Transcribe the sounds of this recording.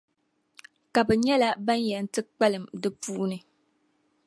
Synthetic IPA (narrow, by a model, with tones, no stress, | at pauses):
ka˨bɛ˨ɲɛ˦la˦ba˦njɛ˨n̩˦tɨ˦k͡pɛ˦lɨ˨mdɨ˦puː˦ʔnɨ˨